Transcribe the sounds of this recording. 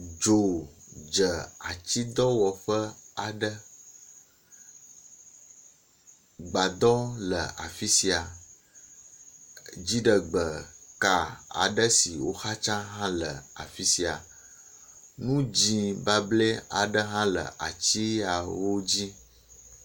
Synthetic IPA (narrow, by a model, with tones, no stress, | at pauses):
d͡ʒo˨d͡ʒə˨a˨t͡ɕi˦d̪ɔ˦wɔ˨ɸə˦a˨ɖə˦ | ɡ͡ba˨d̪ɔ˦lə˨a˨fi˦si˨a˨ | d͡ʑi˦ɖə˨ɡ͡bə˨ka˨a̰˨ɖə˦si˨wo̰˦xa˦t͡ʃã˦ɦã˦lə˨a̰˨fi˦si˨a̰˨ | nũ˦d͡ʑĩ˨ba˨ble˦a˨ɖə˦ɦã˦lə̰˨ʔa˨t͡ɕi˦a˨wo˦d͡ʑi˦